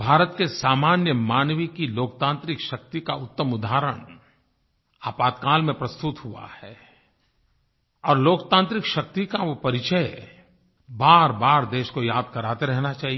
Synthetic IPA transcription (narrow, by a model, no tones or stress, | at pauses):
bʱaːɾət̪kesaːmaːnjəmaːnʋikiloːk̚t̪ãːnt̪ɾɪkʃɐk̚t̪ikaʊt̪ːəmʊd̪ʱaːɾəɽ̃ | aːpaːd̪kaːlmẽpɾɐst̪ʊt̪hua̰hɛː | ɔːɾloːkt̪ãːnt̪ɾɪkʃɐk̚t̪ikaʋopɐɾɪt͡ʃəe | baːɾbaːɾd̪eːʃkojaːd̪̚kɐɾaːt̪eɾɛɦnat͡ʃaːɦi